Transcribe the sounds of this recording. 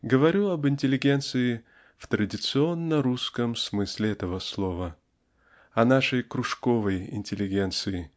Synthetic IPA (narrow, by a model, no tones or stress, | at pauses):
ɡəvɐɾʲuɐbɨnʲtʲɪlʲːɪɡʲe̞nt̪sɨɪ | ft̪ɾədʲɪt̪sɨo̞nːəɾuskəmsmɨsʲlʲɪɛt̪əvəslˠovə | ɐnaʂəjkɾʊʂkovəjɪ̰nʲtʲɪlʲːɪɡʲe̞nt̪sɨɪ